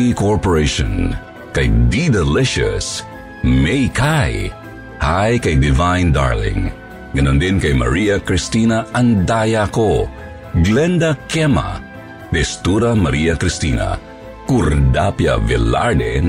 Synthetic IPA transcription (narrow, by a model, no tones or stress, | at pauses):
ikoɹpoɾejʃɔ̰n | kɐjd̪id̪ɛlɪʃʊ̰s | mejkaj | hajkɐjd̪ɪvajnd̪a̰ɹlɪ̰̃ŋ | ɡɐnond̪inkɐjmɐ̰ɾiɐkɾist̪inaɐŋd̪ajako | ɡlɛnd̪akɛma̰ | d̪ɛst̪uɾɐmɐɾiɐkɾist̪ina̰ | kuɾd̪apja̰vɛla̰ɾd̪ḛn